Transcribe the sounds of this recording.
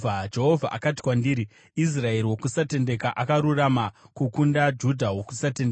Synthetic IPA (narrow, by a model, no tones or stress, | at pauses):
ad͡ʒe̞ɦovʱa̰ʔa̰kat̬i̥kwandiːɾi | is̬rae̞ɾiwo̞kusate̞nde̞kaʔakaɾuramakukundad͡ʒudʱawo̞kusatene